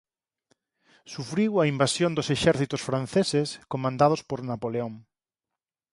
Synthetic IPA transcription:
sufɾiwɐimbasjond̪ʊseʃɛɾθit̪ʊsfɾan̟θeseskomãnd̪að̞ʊspoɾnapoleoŋ

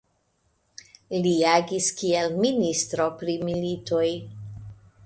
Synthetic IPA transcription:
liaɡiskielministɾo̞pɾimilito̞j

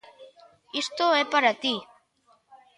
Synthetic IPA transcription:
ist̪oepaɾat̪i

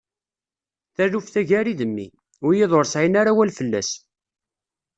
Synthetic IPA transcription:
θæðufθæʝæɾiðəmːḭ | ʊɾjɪðˤoɾsʕinaɾawælfəlːæ̰s

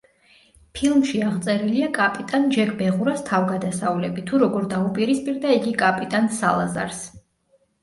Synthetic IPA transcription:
pʰilˠmʃiaʁt̪sʼɛɾiliakʼapʼit̪ʼand͡ʒɛɡbɛʁuɾast̪ʰavɡad̪asavlɛbit̪ʰuɾɔɡɔɾd̪aupʼiɾispʼiɾd̪aiɡikʼapʼit̪ʼansa̰lˠa̰za̰ɾs

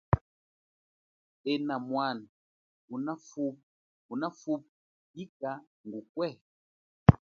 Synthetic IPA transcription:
ɛnamwan | unafup̚ | unafup̚ | ika | ŋɡukwɛ

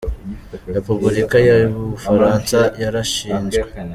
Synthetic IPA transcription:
ɾepubuɾikajaɾiβuβufaɾaːnsajaɾaʃiːnd͡ʒɡwe

